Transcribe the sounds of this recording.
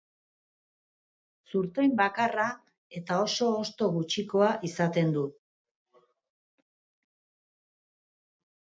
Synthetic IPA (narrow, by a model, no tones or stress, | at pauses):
suɾt̪o̞jmbakara | e̞t̪ao̞so̞ːst̪o̞ɣut͡ʃiko̞aʔisat̪e̞nd̪u